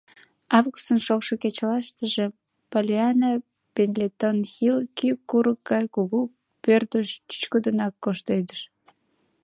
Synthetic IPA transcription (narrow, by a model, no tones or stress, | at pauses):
ɑvɣust̪ənʃokʃoket͡ɕəlɑʃt̪əʒe | polʲeɑna | penlʲet̪onxilkykːuɾək̚ɡɑjkuɣu | pørd̪əʃt̪y̥t͡ɕkod̪ənɑkːoʃt̪ejd̪əʃ